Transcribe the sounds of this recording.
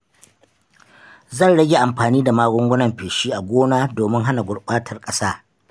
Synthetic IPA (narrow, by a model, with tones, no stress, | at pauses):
zɐ˦˨nɽɐ˦ɡʲe˨ʔa˨mɸaː˨niː˦da˨maː˦ɡʷʊ˦ŋɡʷʊ˦nɐ˨mɸeː˨ʃiː˦ʔa˨ɡʷoː˦naː˦doː˨mɪ˦ŋɦa˦na˨ɡʷʊ˨ɽɓaː˦tʰɐ˦rkʼɐ˦saː˦